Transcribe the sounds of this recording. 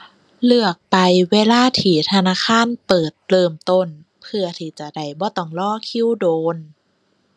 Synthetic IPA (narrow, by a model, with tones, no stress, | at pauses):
lɯ˧˩ək̚pa˧jweː˧˥laː˧˥˨t̪ʰiː˨˩˦t̪ʰa˧naː˧˥˨kʰaː˧˥˨npɤː˨˩t̪ːlɤː˧mt̪o˧˩n | pʰɯ˧ɐt̪ʰiː˧˩t͡ɕa˨˧˩da˧˩jbɔː˧˦t̪ɔː˧˩ŋlɔː˥˨kʰi˧˥˨wdoː˧n